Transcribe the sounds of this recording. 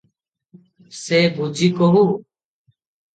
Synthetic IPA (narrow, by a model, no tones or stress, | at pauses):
seːbʱuːd͡ʒʱiːkoɦuː